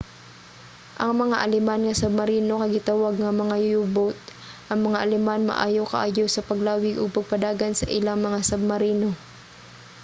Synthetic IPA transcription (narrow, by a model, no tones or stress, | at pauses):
ʔɐŋmɐŋaʔɐlɛmanŋɐsɐb̚mɐɾiːno̞kɐɡɪt̪awaɡ̚ŋɐmɐŋajʊjubot̪̚ | ʔɐŋmɐŋaʔɐlɛmanmɐ̰ʔaːjokɐ̰ʔaːjosɐpɐɡlaːwɪɡoɡ̚pɐɡ̚pɐd̪aːɡɐnsɐ̰ʔɪlaŋmɐŋasɐb̚mɐɾiːno̞